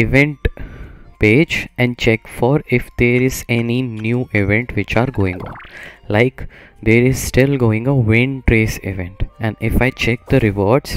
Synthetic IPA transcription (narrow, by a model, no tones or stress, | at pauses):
ɪʋɛ̃ɳʈ | peːd͡ʒɛ̃ɳɖ̚t͡ʃɛkfɔːɾɪfd̪eːɾɪzɛninjuːʔɪʋɛ̃ɳʈʋɪt͡ʃaːɾɡoːɪ̃ŋɡɔ̰̃ːnlaɪkd̪eːɾɪzsʈɪlɡoːɪ̃ŋɡəʋɪ̃nʈɾeːsɪ̰ʋɛ̃ɳʈɛ̃ɳɖɪfaɪt͡ʃɛk̚d̪əɾɪʋɔːɾɖs